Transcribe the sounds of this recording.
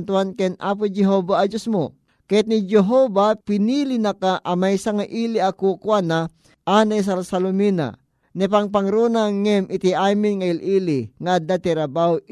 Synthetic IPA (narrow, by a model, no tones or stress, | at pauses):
nt̪uankɛnʔa̰p̬ʊd͡ʒɛɦobaːd͡ʒosmo | kajat̪̚nid͡ʒɛɦobapɪnilinɐkaʔɐmajsaŋaʔiliakukwana | ʔanajs̬alsalomina̰ | nɛpaŋp̬aŋɾunaŋɛmʔɪt̪iʔaːmɪnŋailʔiːlɪŋad̪at̪iɾɐbaw